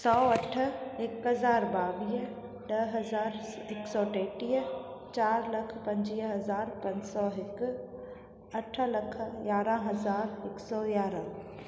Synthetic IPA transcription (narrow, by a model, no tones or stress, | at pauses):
sɔːɐʈʰekɦɐzaːɾbaːʋiː | ɖɐɦɐzaːɾ | ɪksɔːʈɛːʈiːɦt͡ɕaːɾlɐkʰpɐ̃ɲd͡ʒiːɦɐzaːɾpɐ̃ɲd͡ʒsɔːɦɪk | ɐʈʰlɐkʰjaːɾãɦɐzaːɾɪksɔːjaːɾã